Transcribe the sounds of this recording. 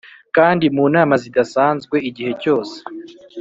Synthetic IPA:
kaːndimuːnaːmazidasaːnzɡwe̞iɟihe̞co̞ːse̥

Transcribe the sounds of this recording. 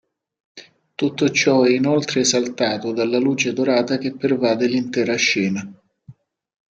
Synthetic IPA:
t̪ut̪ːot͡ʃɔɛinolt̪ɾeːzalt̪aːt̪od̪alːaluːt͡ʃed̪oɾaːt̪ak̟epːervaːd̪elint̪ɛːɾaʃːɛːna

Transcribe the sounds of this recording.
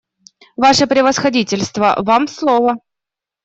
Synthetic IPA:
vaʂəpɾʲɪvəsxɐdʲitʲɪlʲst̪və̰vamslˠovə

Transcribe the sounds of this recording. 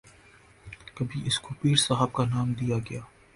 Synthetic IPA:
kɐbʱiʔɪskopiːɾsaɦəb̚kanaːmd̪ijaɡɐjaː

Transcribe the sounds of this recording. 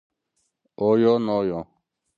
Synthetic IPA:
oːjoːnoːjõ

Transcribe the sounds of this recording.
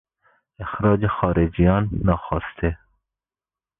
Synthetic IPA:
exɾɑːd͡ʒexɑːɾed͡ʒijɑnːɑːxɔst̪ʰe

